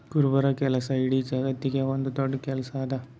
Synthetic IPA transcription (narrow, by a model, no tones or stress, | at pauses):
ɡ̥uɾubɐɾɐkɛlɐsɐiɽid͡ʒɐɡɐt̪ːiɡeʋond̪ud̪ɔɖːɐkɛlɐsaːd̪ɐ